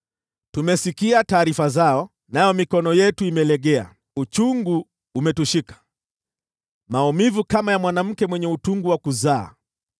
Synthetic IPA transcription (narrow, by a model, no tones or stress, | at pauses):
tumɛsikiataːɾifazaɔ | najɔmikɔnɔjɛtuimɛlɛɠɛa̰ | ut͡ʃuŋɡuː | mɛtuʃikḁ | maumivukamajamwanam̩kɛmwɛɲɛutuŋɡuwakuza̰ː